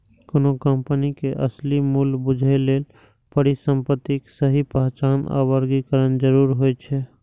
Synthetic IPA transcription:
konokəmpənikeʔəslimulbud͡ʒʱeleːl | pəɽisəmpət̪ːiksəɦipəɦt͡ʃana̰wəɾɡikəɾənd͡ʒəɾuɾɦojt͡ʃʰɛ

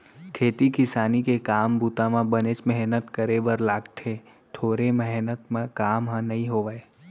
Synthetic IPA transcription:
kʰeːt̪ikɪsaːnikekaːmbuːt̪amãbənet͡ʃmɛɦnət̪kəɾebəɾlaːɡt̪ʰe | t̪ʰoːɾemɛɦnət̪mẽkaːmɦãnɐɦĩɦoːʋəe

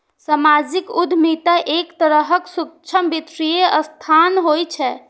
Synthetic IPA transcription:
səmad͡ʒikud̪ʱmit̪əʔekt̪əɾəɦəksuk̚t͡ʃʰəmbit̪ɾijeʔəst̪ʰanɦojt͡ʃʰɛ

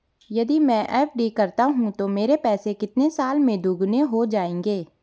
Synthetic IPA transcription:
jɐd̪imɛ̃ʔɛːpʰɖikɐɾt̪aɦũt̪omeːɾepɛːsekɪt̪nesaːlmẽd̪ʱʊɡneɦod͡ʒaːẽːŋɡeː

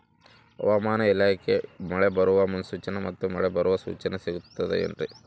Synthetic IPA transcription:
ɐ̰ʋɐmaːnɐilaːkemɐɭɛbɐɾuʋɐmɐnsuːt͡ʃɐnɐmɐt̪ːumɐɭɛbɐɾuʋɐsṵːt͡ʃɐnesiɡut̪ːɐd̪ḛḛnɾi

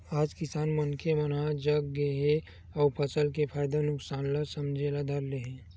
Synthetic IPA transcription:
aːd͡ʒkɪsaːnmɐnkʰemənad͡ʒəɡːeɦẽ | ɔːɾpʰɐsəlkepʰaːjd̪anʊksaːnlasɐmd͡ʒʱelad̪ʱɐɾleɦɛ̃ː

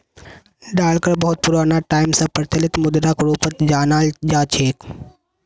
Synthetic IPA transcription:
ɖaːlkəɾbɐɦʊt̪̚pʊɾaːnaʈaːɪmsãpɾɐt̪jəlɪt̪mʊd̪ɾakɾuːpət̪d͡ʒaːnaːld͡ʒaːt͡ʃʰeːk

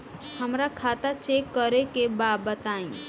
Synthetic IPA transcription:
həmɾakʰat̪at͡ʃekːəɾekebabət̪aĩ

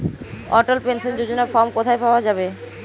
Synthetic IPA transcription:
ɔ̰ʈalpensond͡ʑod͡ʑonafɔɾmkot̪ʰajpaoad͡ʑabe

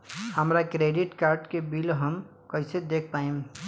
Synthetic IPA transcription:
həmɾakɾeːɖɪʈkaːɾɖkebilɦəm | kəɪsed̪eːk̚ʰpaːĩm

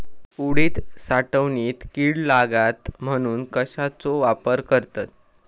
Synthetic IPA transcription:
uɽiːt̪saʈəʋniːt̪kiːɽlaɡat̪m̤əɽ̃uːnkəɕat͡soʋapəɾkəɾt̪at̪̚

